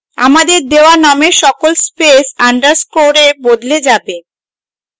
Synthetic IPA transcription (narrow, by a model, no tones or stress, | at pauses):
a̰mad̪eɾd̪eoanameʃɔkolspesaɳɖaɾskoɾebod̪led͡ʑabe